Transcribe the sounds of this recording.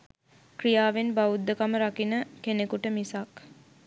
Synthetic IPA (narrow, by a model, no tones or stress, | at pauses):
krijaːʋenbaud̪ːəkaməɾakinəkenekuʈəmisak